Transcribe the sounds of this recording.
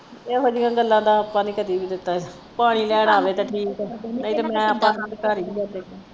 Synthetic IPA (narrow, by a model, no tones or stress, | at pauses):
eːɦoːd͡ʒiːɡãːɡəlːãːd̪aːəpãːnĩːkət̪iːbiːd̪ɪt̪ːaː | paːɽ̃iːlɛːɽ̃aːʋeːt̪aːʈʰiːkɛnəĩːt̪emɛ̃ːaːpːãːkãd̪kaːɾiːbiːəɾt̪eːaː